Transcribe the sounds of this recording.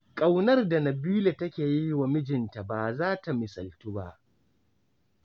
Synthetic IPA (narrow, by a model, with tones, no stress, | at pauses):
kʼa˨wnɐ˦rda˨nɐ˨biː˦le˨tɐ˦kʲeː˨ji˦wa˨mɪ˦d͡ʒɪ˨nta˨baː˨zaː˦ta˨mɪ˨sɐ˨ltu˦ba˦ʔ